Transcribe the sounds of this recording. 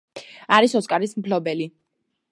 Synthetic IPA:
aɾisɔskʼaɾismpʰlɔbɛli

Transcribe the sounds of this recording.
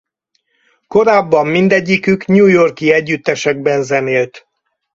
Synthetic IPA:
ko̞ɾaːbːɒmːind̪ɛɟːikykɲuːjo̞rkiɛɟːyt̪ːɛʃɛɡ̚bɛnzɛneːlt̪

